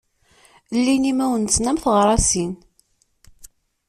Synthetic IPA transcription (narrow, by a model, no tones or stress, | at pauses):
lːinimæwənt͡sːnæmθəʁɾˤɑsin